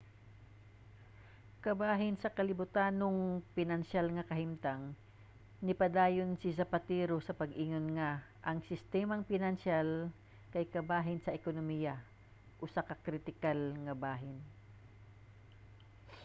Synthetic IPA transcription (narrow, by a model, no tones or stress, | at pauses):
kɐbaːɦɪnsɐkɐlɪbʊt̪aːnoŋpɪnɐnʃalŋɐkɐɦɪmt̪aŋ | nɪpɐd̪aːjonsɪsɐpat̪ɛːɾosɐpɐɡʔiːŋonŋa | ʔɐŋsɪst̪ɛːmɐŋpɪnɐnʃal | kɐjkɐbaːɦɪnsɐʔɛkonomiːjɐ | ʔʊsakɐkɾɪt̪ɪkalŋɐbaːɦɪn